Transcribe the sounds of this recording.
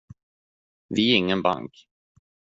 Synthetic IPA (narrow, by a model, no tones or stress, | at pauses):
vɪɛɪŋːənba̰ŋk